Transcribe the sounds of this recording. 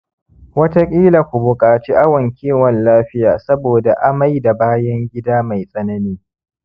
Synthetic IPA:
wɐ˦ta˦kʲʼiː˦la˨kʷu˨bʊ˨kʼaː˨t͡ʃiː˦ʔa˦wɐ˨ŋkʲiː˦wɔ˨nlaː˦ɸɪ˦jaː˨sɐ˦boː˨da˨ʔa˦ma˦jda˨baː˦jɐ˦ŋɡʲɪ˦daː˦ma˨jsʼɐ˦nɐ˦niː˦

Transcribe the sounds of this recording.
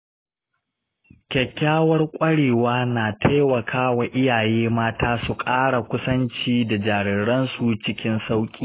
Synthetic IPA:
kʲɛ˨kʲːaː˦wɐ˦rkʷʼɐ˦ɽeː˨waː˦naː˨tʰa˦wɐ˨kʰaː˦wa˨ʔɪ˦jaː˨jeː˦maː˦taː˦su˨kʼaː˦ɽa˨kʷʊ˦sɐ˦nt͡ʃiː˦da˨d͡ʒaː˨ɽɪ˨ɽɐ˦nsu˨t͡ʃɪ˦kʲɪ˦nsa˦wkʲʼiː˦

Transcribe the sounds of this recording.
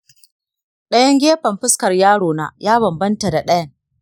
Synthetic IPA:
ɗɐ˦jɐ˦ŋɡʲeː˦ɸɐ˨mɸɪ˦skɐ˨rjaː˦ɽoː˨na̰ː˦jaː˦βɐ˨mbɐ˦nta˨da˨ɗɐ˦jɐ˨ŋ

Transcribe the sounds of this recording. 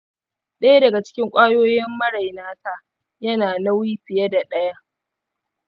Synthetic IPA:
ɗɐ˦ja˦dɐ˨ɡa˨t͡ʃɪ̥˦kʲɪ˦ŋkʷʼaː˦joː˦jɪ˦mːɐ˦ɽa˨jnaː˦ta˨ʔ | jɐ˦naː˨na˦wiː˦ɸɪ˨jɐ˦da˨ɗɐ˦ja˦ʔ

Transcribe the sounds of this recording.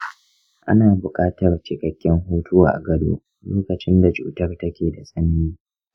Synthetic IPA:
ʔa̰˦naː˨bʊ˨kʼaː˦tɐ˨rt͡ʃɪ˦kʼɐ˨kʲːɛ˦ŋɦuː˦tʰu˦ʔa̰˨ɡɐ˦do̰ː˦ | loː˦kɐ˨t͡ʃɪ˦nda˨t͡ʃṵː˨tɐ˦rtɐ˦kʲeː˨da˨sʼɐ˦n˦iː˦

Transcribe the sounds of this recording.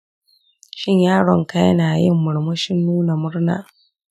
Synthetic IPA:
ʃɪ˦ɲjaː˦ɽɔ˨ŋka˦jɐ˦naː˨jɪ˦mːʊ˨ɽmɐ˦ʃɪ˦nːuː˦na˨mʊ˦ɽna̰ː˨

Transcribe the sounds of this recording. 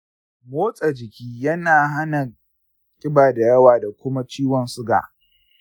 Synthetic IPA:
moː˦sʼa˨d͡ʒɪ˨kʲiː˦jɐ˦naː˨ɦa˦na˨ | kʲʼɪ˦baː˨da˨jɐ˦waː˨da˨kʷʊ˦ma˦t͡ʃiː˦wɔ˨nsʊ˦ɡa̰ː˨

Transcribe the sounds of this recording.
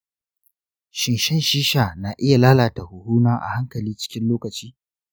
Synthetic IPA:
ʃɪ˨nʃɛ˦nʃiː˦ʃaː˨na˨ʔɪ˦ja˨laː˦laː˨ta˨hʊ˨huː˦naː˦ʔa̰˨ha˦ŋkɐ˨liː˦t͡ʃɪ̥˦kʲɪ˦nloː˦kɐ˨t͡ʃiː˦

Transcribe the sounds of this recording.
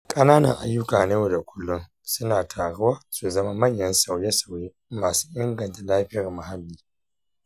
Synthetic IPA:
kʼɐ˦naː˦nɐ̰˨ŋʔa̰˨jːʊ˦kaː˨ne˦jo˨da˨kʷʰʊ˦lːʊ˦n | sʊ˦naː˨tʰaː˨ɽʊ˦waː˦su˨zɐ˦ma˦mɐ˦˨ɲjɐ˦nsa˨wjɛ˦sa˨wjeː˦ | maː˨su̥ː˦ʔɪ˦ŋɡɐ˨nta˨laː˦ɸɪ˦jɐ˨ma˨ha˦lːiː˦

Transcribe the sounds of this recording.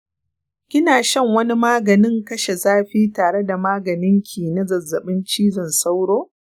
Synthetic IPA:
kʲɪ˦naː˨ʃɐ˦˨ŋwɐ˦ni˦maː˦ɡɐ˨nɪ˦ŋkɐ˦ʃe˨zaː˦ɸiː˦taː˨ɽe˦da˨maː˦ɡɐ˨nɪ˦ŋkʲʰiː˨nɐ˦zɐ˨zːɐ˨ɓɪ˦nt͡ʃiː˦zɐ˦˨nsa˦wɽoː˦

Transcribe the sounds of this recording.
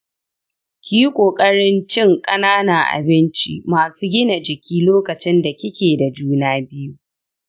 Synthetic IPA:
kʲiː˦kʷʼoː˨kʼɐ˦ɽɪ˦nt͡ʃɪ˦˨ŋkʼɐ˦naː˦na˨ʔa̰˨bɪ˦nt͡ʃḭ˦maː˨suː˦ɡʲɪ˦na˨d͡ʒɪ˨kʲiː˦loː˦kɐ˨t͡ʃɪ˦nda˨kʲɪ˦kʲeː˨da˨d͡ʒuː˦naː˦bɪ˦ju˦

